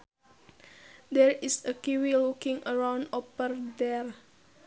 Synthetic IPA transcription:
dɛɹisəkiwilukĩŋəɹãw̃ndopərdɛr

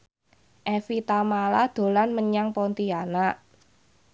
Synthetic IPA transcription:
ʔɛfit̪amalad̪̥o̤lanməɲaŋpɔnt̪ianaʔ

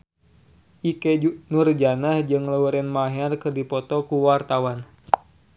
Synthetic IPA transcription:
ʔikɛnurd͡ʒanahd͡ʒɨŋlauɾɛnmaɦɛrkɨrdipɔt̪ɔkuwart̪awan

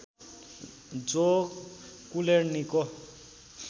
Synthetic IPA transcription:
d͡zokkuleɾniko

